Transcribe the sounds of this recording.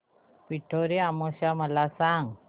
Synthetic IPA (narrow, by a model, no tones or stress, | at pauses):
piʈʰoɾeamoɕaməlasaŋɡ